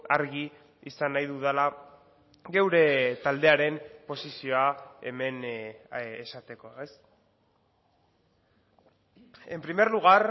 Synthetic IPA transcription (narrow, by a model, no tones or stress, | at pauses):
aɾɣi | isanːajðuðala | ɡe̞wɾe̞t̪ald̪e̞aɾe̞mpo̞sisio̞ae̞me̞n | esat̪e̞ko̞es | e̞mpɾime̞ɾluɣ̞aɾ